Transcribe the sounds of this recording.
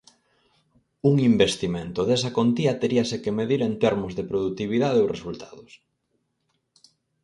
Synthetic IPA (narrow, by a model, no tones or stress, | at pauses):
uŋimbest̪imẽnt̪ʊðes̬ɐkont̪iɐt̪eɾiɐsekemeðiɾent̪ɛɾmʊzðepɾoðut̪iβ̞iðaðeoresult̪aðʊs